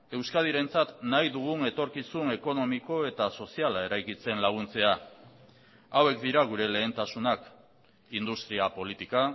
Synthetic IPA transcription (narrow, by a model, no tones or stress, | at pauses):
e̞wskað̞iɾe̞nt͡sat̪najðuɣ̞une̞t̪o̞ɾkisune̞ko̞no̞miko̞e̞t̪aso̞sialae̞ɾajkit͡se̞nlaɣ̞unt͡se̞a | awe̞k̚d̪iɾaɣ̞uɾe̞le̞ːnt̪asunak | ind̪ust̪ɾiapo̞lit̪ika